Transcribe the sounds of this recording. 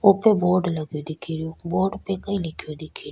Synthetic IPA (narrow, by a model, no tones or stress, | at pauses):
oːpeboːɾɖləɡjod̪ɪkʰiɾɪjoboːɖpekəĩlɪkʰjod̪ɪkʰiːɾ